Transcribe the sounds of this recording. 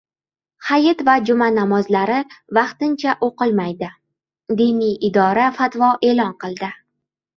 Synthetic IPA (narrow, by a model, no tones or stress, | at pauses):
hajɪt̪vad͡ʒʊmanamɒzlaɾɪvɑqt̪ɪnt͡ʃʰaʔoqɨlˠmajd̪ɪ | d̪inijɪd̪ɒɾafat̪vɒʔe̞lɒnqɨlˠd̪ɪ